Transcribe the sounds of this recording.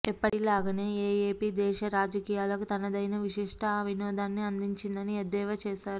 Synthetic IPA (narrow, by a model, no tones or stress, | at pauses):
ipːɐʈilaːɡɐne̞ːeːeːpiːd̪ɛːʃɐɾaːd͡ʒɐkiːjaːlɐkut̪ɐnɐd̪ɐjnɐʋiʂiʂʈʰɐɐʋʱinɔːd̪aːnːiɐnd̪iɲt͡ʃind̪ɐnied̪ɛːʋɐt͡ʃɛːʃaːɾu